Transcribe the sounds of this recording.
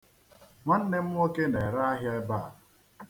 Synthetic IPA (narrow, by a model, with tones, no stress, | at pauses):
ma˦n̩˦ne˦m̩˦o˦ke˦na˨e˨ɾa˦a˦ɦja˦e˦ba˦˨